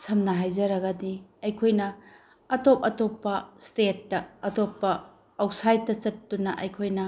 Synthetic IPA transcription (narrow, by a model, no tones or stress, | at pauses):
sɐmnɐɦajzɐɾɐɡɐdiɐjkʰojnɐː | top̚ɐtopːɐstet̚ːɐːtopːɐː | wsajtːɐt͡ʃɐt̚dunɐʔɐ̰jkʰojnɐ